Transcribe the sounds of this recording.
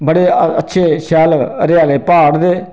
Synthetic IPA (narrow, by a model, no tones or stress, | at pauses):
bɐɽeːɐtːʃʰeːʃaːlɾjaːleːpaːɽd̪eː